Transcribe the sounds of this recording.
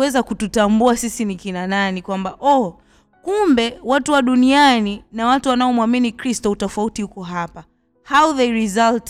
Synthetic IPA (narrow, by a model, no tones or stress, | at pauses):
ɛzakututambuasisinikinananikwambaʔɔ | kumbɛwatuwaɗunianinawatuwanaɔmwaminikɾistɔutɔfautihukɔɦapa | hauðeɾizalt